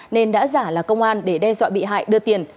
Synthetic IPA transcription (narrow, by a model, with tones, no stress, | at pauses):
ne˧nɗa̰ː˧˥zaː˧˩laː˨˩kə˧wŋ͡mʔaː˧nɗe˧˩ɗɛ˧zwa̰ː˧˨ɓḭ˧˨ɦa̰ː˧˨jɗɨ˧ət̪i˨˩ən